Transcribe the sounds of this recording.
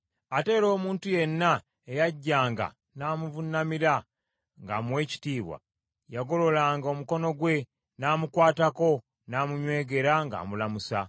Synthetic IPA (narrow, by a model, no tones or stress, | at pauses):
ate̞ːɾo̞ːmuːntuje̞nːa | ejaɟːaːŋɡa̰ | naːmuvunamiɾa | ŋɡa̰mwe̞ːci̥tiːβwa̰ | jaɡo̞lo̞laːŋɡo̞muko̞no̞ɡwe̞ | naːmukwaːtako̞ | naːmuɲwe̞ːɡe̞ɾaŋɡa̰ːmulamusa